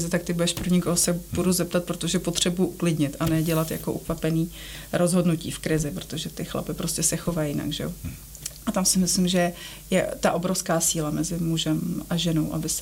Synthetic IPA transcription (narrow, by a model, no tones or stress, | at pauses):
zɪt̪ak̚t̪ɪbujɛʃpɾoɲɪkoɦosɛbuduzɛp̚t̪at̪̚pɾo̞t̪o̞ʒɛpo̞t̪r̥ɛbujuʔuklɪdɲɪt̪ʔanɛɟɛlat̪ja̰ko̞ʔuxvapɛniː | ɾʔo̞zɦo̞dnucḭːfkɾɪzɪpɾo̥t̪o̞ʒɛt̪ɪxla̰pɪpɾo̞scɛsɛxo̞vajjɪna̰ɡʒɛ̰jo | ʔat̪amsɪmɪslɪmʒɛɛ | jɛt̪aʔo̞bɾo̞fskaːsiːlamɛzɪmuʒɛmʔaʒɛno̞wʔa̰bɪs